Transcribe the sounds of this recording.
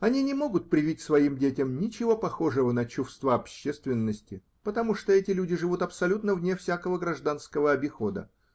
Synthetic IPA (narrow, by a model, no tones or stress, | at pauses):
ɐnʲinʲɪmo̞ɡʊt̪̚pɾʲɪvʲit̚ʲsvɐimdʲetʲɪmnʲɪt͡ɕɪvo̞pɐxo̞ʐɨvənət͡ɕʊfst̪vaɐpɕːest̪vʲɪnːəsʲtʲɪ | pət̪ɐmuʂt̪oɛtʲɪlʲudʲɪʐɨvut̪ɐpsɐlʲut̪nəvnʲefsʲakəvəɡɾɐʐd̪anskəvəɐbʲɪxo̞d̪ə̰